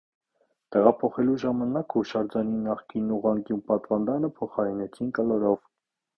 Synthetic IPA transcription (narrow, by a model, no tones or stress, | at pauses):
t̪ɛʁɑpʰɔχɛluʒɑmɑnɑkuʃɑɾd͡ʒɑninːɑχkinːuʁɑŋkjunpɑt̪vɑnd̪ɑnəpʰɔχɑɾinɛt͡sʰinkəlɔɾɔv